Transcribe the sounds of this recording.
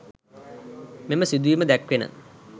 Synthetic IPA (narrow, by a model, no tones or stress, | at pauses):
meməsid̪uʋiməd̪ækʋenə̰